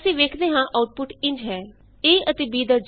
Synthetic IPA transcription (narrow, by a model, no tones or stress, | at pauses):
sĩːʋeːkʰd̪eːɦãːʔaːʊʈ̚pʊʈɪ̃ɲd͡ʒɦɛː | eːʔət̪eːbiːd̪əɾd͡ʒ